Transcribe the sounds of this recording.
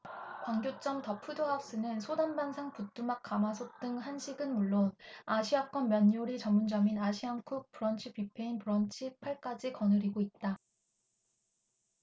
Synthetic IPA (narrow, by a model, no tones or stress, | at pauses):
kwaŋɡjot͡ɕ͈ʌmtʌpʰudoɦak̚s͈ɯnɯnsʰodanbansʰaŋput͈umak̚k͈amasʰok̚t͈ɯŋhanɕʰiɡɯnmuɭːonaɕʰiak͈wʌnmjʌɲːoɾit͡ɕʌmːund͡ʑʌminaɕʰiaŋkʰuk̚puɾʌnt͡ɕʰipipʰe̞inpuɾʌnt͡ɕʰipʰaɭk͈ad͡ʑikʌnɯɾiɡoit̚t͈a